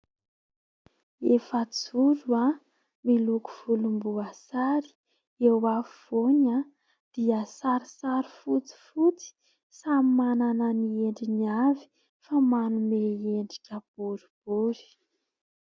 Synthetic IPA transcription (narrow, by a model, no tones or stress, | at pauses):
efət͡suɾua | miluku̥v̥ulumbuasaɾi̥ | ewaviv̥oɲa | d̪̥iəsaɾisaɾifut͡si̥fut͡si̥ | samimanananieɳɖ͡ʐiniavi̥ | famanumeeɳɖ͡ʐiʈ͡ʂəb̥uɾib̥uɾi̥